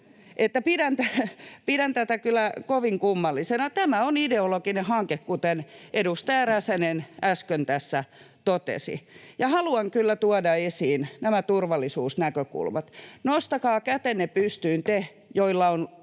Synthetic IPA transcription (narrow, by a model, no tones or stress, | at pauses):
ʔet̪ːæpidænt̪æpidænt̪æt̪ækylːˑækoʋiŋkumːɑlːisenɑt̪æmæonideolokinehɑŋkekkut̪enʔedust̪æːræsænenæskønt̪æsːæ | t̪ot̪ḛsḭjɑhɑluɑŋkylːæt̪uɑdɑesiːnnæmæt̪urʋɑlːˑisuːsnækøkṵlmɑt̪nost̪ɑkɑːkæt̪enːepyst̪yːnt̪e | joilːɑon